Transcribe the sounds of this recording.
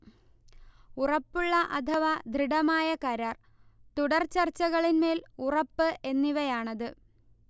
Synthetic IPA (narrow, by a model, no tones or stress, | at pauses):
urɐpːuɭːɐʔɐd̪ʱɐʋɐd̪ʱriɽɐmaːjɐkɐɾaːr | t̪uɽɐrt͡ɕɐrt͡ɕːɐɣɐɭinme̞ːlurɐpːɨʔe̞nːiʋɐjaːɳɐðɨ